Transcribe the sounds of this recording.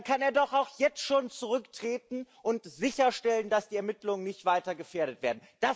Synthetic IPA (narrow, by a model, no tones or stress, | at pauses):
kʰaneːɐdɔχaʊxjɛt͡stʃoːnt͡suʁ̞ʏktʁ̥eːtn̩ʔʊntz̥ɪçɐʃtɛləndasd̥iːɛɐmɪtlʊŋənːɪçtv̥aɪtɐɡəfeːɐɾətv̥eːɐdn̩d̥a